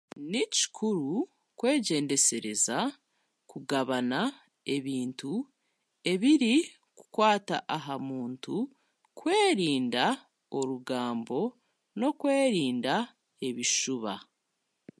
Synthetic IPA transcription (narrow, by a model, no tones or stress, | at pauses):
nici̥kʰuɾu | kwe̞ːɟe̞ːnde̞se̞ɾe̞za | kuɡaβana | e̞βiːntu | e̞βiɾi | ku̥kwaːta̰ʔaɦamuːntu | kwe̞ːɾiːnda | oɾuɡaːmbo̞ | no̞kwe̞ːɾiːnda | e̞βiʃuβa̰